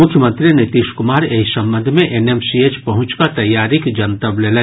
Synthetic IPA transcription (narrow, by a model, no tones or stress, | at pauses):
mʊkʰjəmə̃nt̪ɾinɪt̪iːʃkʊmaːɾeisɐ̃mbə̃nd̪ʱmẽʔeneːmsiet͡ʃpɐɦʊ̃t͡ʃkat̪ɐjːaːɾikd͡ʒɐnt̪əblelẽ